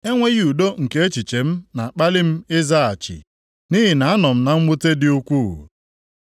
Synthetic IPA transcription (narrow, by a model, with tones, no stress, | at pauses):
e˦ŋʷe˦ɣi˦u˨do˦ŋ̩˨ke˦e˦t͡ʃi˨t͡ʃe˨m̩˦na˨k͡pa˦lɪ˦m̩˦ɪ˦za˦a˨t͡ʃɪ̰˨ | ni˦ɦi˨na˨a˦nɔ˨m̩˦na˨ŋ͡m̩˦ɡ͡bʊ˦te˦dɪ˦u˦kʷṵ˦˨